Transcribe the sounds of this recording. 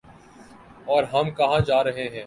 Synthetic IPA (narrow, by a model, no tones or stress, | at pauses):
ɔːɾɦɐmkɐɦãd͡ʒaːɾɐɦeɦɛ̃ː